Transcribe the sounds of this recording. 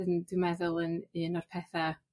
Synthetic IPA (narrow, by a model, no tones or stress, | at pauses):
əndɨmɛðʊlˠənɨːnɔr̥pʰɛθa